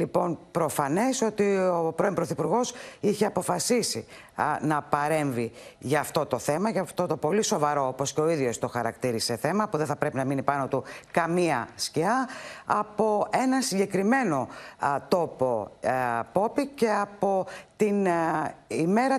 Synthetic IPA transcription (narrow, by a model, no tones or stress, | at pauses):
lipo̞npɾo̞fɐne̞so̞t̪iopɾimpɾoθipuɾɣo̞siçe̞ɐpo̞fɐsisi | nɐpɐɾe̞ɱviʝɐːft̪o̞t̪o̞θe̞mɐʝɐft̪o̞t̪o̞po̞liso̞vɐɾo̞oposceo̞iðʝo̞st̪o̞xɐɾɐkt̪iɾise̞θe̞mɐpuðeθɐpɾe̞pinɐminipɐno̞t̪ukɐmiɐsciɐɐpo̞e̞nɐnsiɲɟe̞kɾime̞no̞t̪o̞po̞ | po̞pice̞ɐpo̞t̪in | ime̞ɾɐ